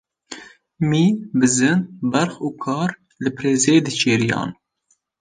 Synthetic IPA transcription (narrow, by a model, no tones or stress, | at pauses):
miːbɨzɨnbɛɾxuːkʰɑːɾ | lɨpʰɾeːzeːd̪ɨt͡ʃʰeːɾijɑ̰ːn